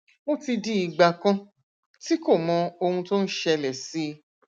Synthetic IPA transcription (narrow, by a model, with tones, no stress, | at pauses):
mo˦ti˧di˧˦i˧ɡ͡ba˧kã˧ | ti˦ko˦˨mɔ̃˨˧o˧hũ˧to˦n̩˦ʃɛ˧lɛ˨si˨˦